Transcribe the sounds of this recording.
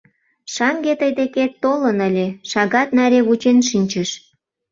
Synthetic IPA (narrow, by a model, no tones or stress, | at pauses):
ʃɑŋɡet̪əjd̪eket̪ːolənəlʲeʃɑɣɑt̪̚næɾʲeβut͡ɕenʃinʲt͡ɕəʃ